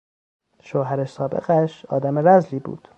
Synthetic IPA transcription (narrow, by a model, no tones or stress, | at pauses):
ʃoɦæɾæʃsɒːbḛɣæʃɒːd̪æmeɾæzliːbṵːd̪̥